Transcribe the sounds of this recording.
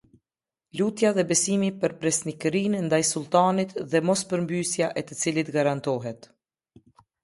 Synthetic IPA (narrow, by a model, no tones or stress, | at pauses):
lut̪jaðɛbɛsimipəɾpɾɛsnikɾinnd̪ajsulˠt̪anit̪ðɛmɔspəɾmbysjaʔɛt̪ət͡silit̪ɡaɾant̪ɔɦɛt̪